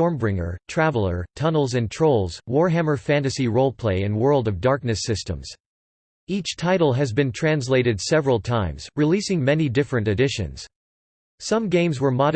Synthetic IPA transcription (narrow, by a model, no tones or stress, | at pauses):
ɔɹmbɹɪ̃ŋə̰˞tʰɹ̥ævl̩ˠə̰˞tʰʌnl̩ˠzɨ̃ntʰɹ̥oʊlˠz̥wɔɹɦæ̃mə˞fæ̃ntɨsiɹoʊlˠpʰl̥eɪɨ̃nwɜ˞lˠdʌvdɑɹk̚nɨsɪstə̰̃mz̥ | it͡ʃtʰaɪɾl̩ˠɨzbɨ̃ntʰɹ̥æ̃ns̬leɪɾɨdsɛvɹəl̩ˠtʰãɪ̃mz̥ɹilisɪ̃ŋmɛnidɪfɹɨ̃ntɨdɪʃɨ̰̃nz̥ | sʌ̃mɡẽɪ̃mzwə˞mɑ